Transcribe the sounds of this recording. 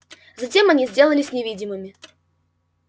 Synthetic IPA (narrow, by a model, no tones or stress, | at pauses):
zɐtʲe̞mɐnʲizʲdʲe̞lˠəlʲɪsʲnʲɪvʲidʲɪmɨmʲɪ